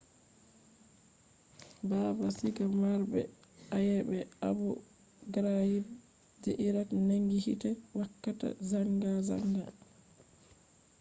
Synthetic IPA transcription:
baːbasiɡamaɾbɛ̰ajɛbɛabɔ | ɡɾajib | d͡ʒɛʔiɾakneŋɡihitɛwakːata̰zaŋɡaza̰ŋɡa̰

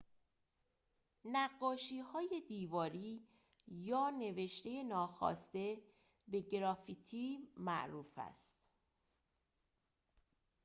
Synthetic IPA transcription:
næɡːɒːʃiːhɒːje̞d̪iːvɒːɾiː | jɒːne̞ve̞ʃt̪e̞je̞nɒːxɒ̰ːst̪e̞ | be̞ɡɾɒːfit̪ʰiːmæ̰ʔɾuːfæ̰st̪

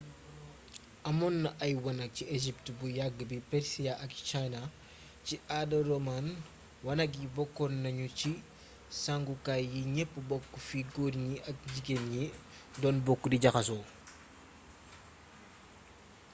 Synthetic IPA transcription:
ɐmɔnːɐʔɐjwɐnɐk̚cieʒip̚tbujaɡːəbipɛɾsiaʔɐk̚t͡ʃajnɐ | ciʔadɐrɔman | wɐnɐk̬jibɔkːɔnːɐɲuci | saŋɡukajiɲɛpːəbɔkːufiɡoːɾɲiɐk̚ɟiɡenɲi | dɔːnbɔkːudiɟɐxɐsɔː

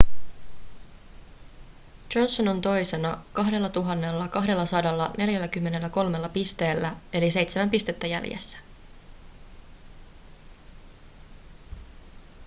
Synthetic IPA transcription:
d͡ʒo̞nsːono̞nt̪o̞jse̞nɑkɑɦde̞lːɑt̪uɦɑnːe̞lːɑkɑɦde̞lːɑsɑdɑlːɑne̞ljælːækymːe̞ne̞lːæko̞lme̞lːɑpist̪e̞ːlːæe̞lise̞jt̪semæmpist̪e̞t̪ːæjæ̰ljḛsːæ̥

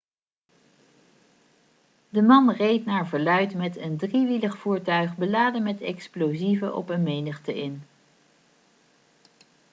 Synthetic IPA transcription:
dəmɑnrejtnaːɹvəɹlœɥtmɛtəndriʋiləχfuːɹtœɥχbəlaːdəmɛtɛ̰ksplowzivəʔɔ̰pənmejnəχtəʔɪn

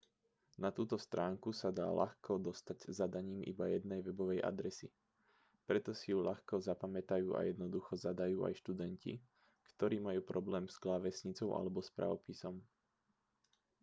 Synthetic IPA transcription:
nat̪uːt̪ɔst̪ɾaːŋkusad̪a̰ːla̰xkɔd̪ɔst̪aɟzad̪aɲiːmʔḭbajɛd̪̚nɛjʋɛbɔʋɛjʔa̰d̪ɾɛsi | pɾɛt̪ɔsijulaxkɔzapamɛt̪ajuːʔa̰jɛd̪nɔd̪uxɔzad̪ajuːʔa̰jʃt̪ud̪ɛɲcḭ | kt̪ɔɾiːmajuːpɾɔblɛːmz̥ɡlaʋɛsɲit͡sɔʊʔa̰lɛbɔspɾa̰ʋɔpisɔm

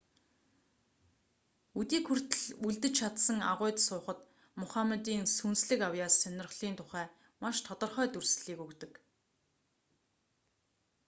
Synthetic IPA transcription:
ut̪iːkxur̥t̪ɘ̆ɮuɮt̪ɘ̆t͡ɕt͡ɕʰat̪sə̆ŋa̰ʁʊːt̪sʊːχə̆t̪ | mʊχamet̪iːnsunsɮɘ̆kawjaːsːœnʲɪ̆rχɮ̥iːnt̪ʰʊχæː | maʃt̪ʰɔt̪ɞ̆rχœːt̪ɵrsɮ̥iːkɵkt̪ɵ̆k

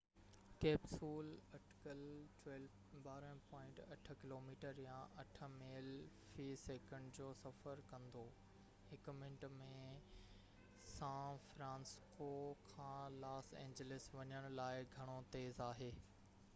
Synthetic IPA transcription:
keːbsuːlɐʈkəlʈwɛːl | baːɾə̃pɔ̃ːɪ̃ɳʈɐʈʰə̆kɪloːmiːʈəɾjãʔɐʈʰə̆meːl | fiːseːkə̃ɳɖd͡ʑoːsɐfəɾkɐ̃nd̪o | hɪkmɪ̃ɳʈmẽ | sãːfɾãːnskokʰãːlaːsḛ̃ːɲd͡ʑəlɪsʋɐɲəɽ̃ʊlaːɪɡʱɐɽ̃ot̪eːzaːɦeː

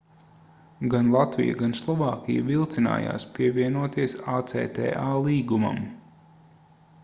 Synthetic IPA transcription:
ɡanlˠat̪vḭja̰ɡanslˠɔvaːkʲijavilˠt̪sina̰ːja̰ːspiɛvʲiɛnuɔt̪iɛsaːt̪sɛ̰ːt̪ɛ̰ːʔaːlˠiːɡuma̰m

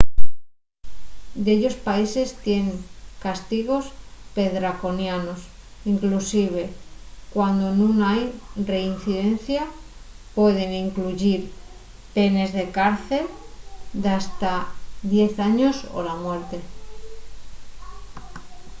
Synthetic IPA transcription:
d̪eʎo̞spaise̞st̪je̞ŋkast̪iɣ̞o̞spe̞ðɾako̞njano̞siŋklusiβ̞e̞kwand̪onũŋajre̞in̟θiðe̞n̟θja | pwe̞ð̞e̞ŋiŋkluʝiɾ | pe̞ne̞zðe̞kaɾθe̞ld̪ast̪aðje̞θaɲo̞so̰lamwe̞ɾt̪e̞

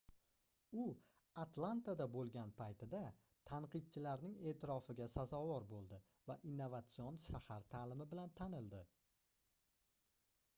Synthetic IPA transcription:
ʊ | at̪lˠant̪ad̪abolˠɡʲanpʰajt̪ɪd̪a | t̪ʰaɴqɨd̪̚t͡ʃʰɪlaɾnɪŋe̞ːt̪ʰɪɾɒfɪɡʲasazɒvɒɾbolˠd̪ɪ | vaʔinːovat̪sionʃahaɾt̪ʰalɪmɪbɪlant̪ʰanɪld̪ɪ

